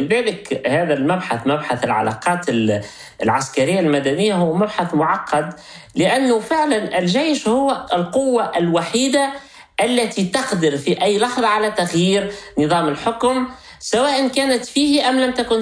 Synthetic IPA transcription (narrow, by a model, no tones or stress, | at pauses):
ɪðæːlɪkhæːðælmæbħaθmæbħaθɪlʕa̰lɑ̰qɑːt̪ɪl | lʕaskaɾɪjːalmæd̪ænɪjːahʊwmæbħaθmʊʕɑqːɑd̪ | lɪʔanːʊfɪʕlanʔɪlʒejʃhʊwːɪlqʊwːaʔɪlwaħiːd̪a | ʔalːæt̪it̪ɑqd̪ɪɾfiʔæjːlɑħðˤɑʕalæt̪aɣjiːɾnɨðˤɑːmɪlħʊkm | sawæːʔɪnkæːnɪt̪fiːhʔæmlæmt̪ækʊn